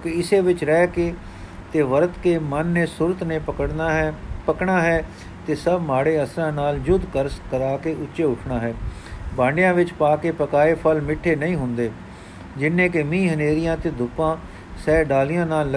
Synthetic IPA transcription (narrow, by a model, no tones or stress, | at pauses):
kɪɪseːʋɪt͡ʃɾɛːkeː | t̪eːʋəɾət̪keːmənːeːsʊɾət̪nẽːpəkəɽaɦpəkɳaːɦɛː | t̪eːsəbmaːɽeːəsɾãːnaːld͡ʒʊd̪kəɾskəɾaːkeːʊtːʃeːʊʈʰɳaːɦɛːbãːɳɖɪjãːʋɪt͡ʃpaːkeːpəkaːeːpʰəlmɪʈʰːeːnəĩːɦʊnd̪eː | d͡ʒɪnːẽːkɪmĩːɦəneːɾɪjãːt̪eːd̪ʊpãː | sɛːɖaːlɪjãːnaːlːə